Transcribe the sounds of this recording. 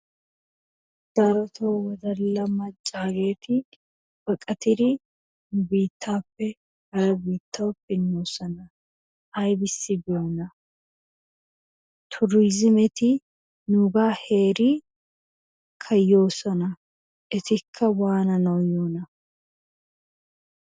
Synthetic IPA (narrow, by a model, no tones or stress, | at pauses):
d̪̥ɐɾɔt̪ʰoːwɔd̪ɐlɐmːɐt͡ʃʼːaːɡe̞ːt̪ɪ | bɐkʼɐt̪ɪd̪ɪ | biːt̪ʰːaːpːɛ | hɐɾɐbiːt̪ʰːɐwpɪnːo̞ːsɔnɐ | ʔɐjbɪsːɪbɪjoːnɐ | t̪ʰʊɾiːzɪmɛt̪ɪ | nuɡaːhe̞ːɾɪ | kʰɐjːo̞ːsɔnɐ | ʔɛt̪ɪkʰːɐwaːnɐnɔwjoːnɐ